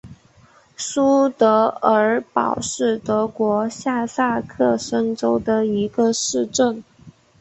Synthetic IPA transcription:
su˥t̪ɤ˧˥ə˞˧˥pɑ̰˨˩ʊʂɻ̩˥˩t̪ɤ˧˥kwɔ˧˥ɕja˥˧sa˥˧kʰɤ˥˩ʂə˥ŋʈ͡ʂo˥ʊd̪ə˨i˧˥ɡə˧ʂɻ̩˥˧ʈ͡ʂə˥˩ŋ

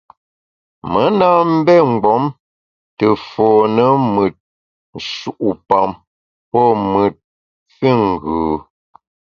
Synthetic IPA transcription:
mə˨˦na˦m̩˦bɛ˦ŋ̩˨ɡ͡bɔ˨˦m | tə˨fɔː˨nə˦mɨ˨t̚ | n̩˨ʃu˨ʔu˨pa˨m | pɔ˦mɨ˨t̚ | fi˦˨ŋ˨ɡʉː˨

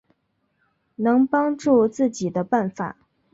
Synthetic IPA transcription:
nɤ˧˥ŋpɑ˥ŋʈ͡ʂu˥˧t͡sɹ̩˥˩t͡ɕi˨˩d̪ə˦pa˥˩nfa̰˨˩˦

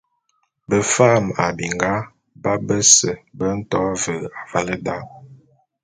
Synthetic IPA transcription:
bə˨fa˦˨ma˨bi˨ŋɡa˦ | ba˦bə˦sə˨bə˦n̩˦tɔ˦və˨a˨va˦lə˦da˦˨w

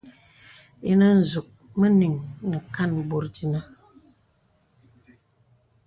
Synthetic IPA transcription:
je˦nə˦n̩˨zu˨k̚ | mə˦ni˨ŋnə˨ka˦˨nbo˨ɾdi˨na˦

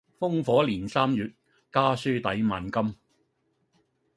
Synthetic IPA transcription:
fʊ˥ŋfɔː˨˥liː˨˩nsaː˥mjyː˨t̚ | kaː˥syː˥t̪ɐ˨˥jmaː˨nkɐ˥m

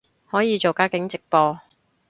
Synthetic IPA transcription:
hɔː˨˥jiː˨˧t͡ʃo˨wkaː˧˥kɪ˨˥ŋt͡sɪ˨k̚pɔː˧

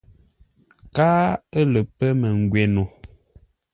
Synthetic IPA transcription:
kaː˦ə˦lə˨pə˦mə˨ŋ˨ɡwe˨no˨

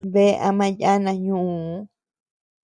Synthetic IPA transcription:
βe˦ʔa˧mã˦ja˦nã˧ɲũ˦˨˦

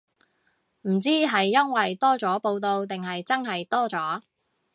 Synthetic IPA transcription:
m̩˨˩t͡siː˥ɦɐ˨jːɐ˥nwɐ˨jt̪ɔː˥t͡sɔː˨˥po˧wt̪o˧wt̪ɪ˨ŋɦɐ˨jt͡sɐ˥nɦɐ˨jt̪ɔː˥t͡sɔː˨˥

